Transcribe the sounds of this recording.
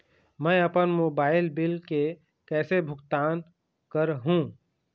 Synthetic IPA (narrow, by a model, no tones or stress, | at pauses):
mɛ̃ɐpənmoːbaːɪlbɪlke | kɛːsebʱʊɡt̪aːn | kəɾɦũː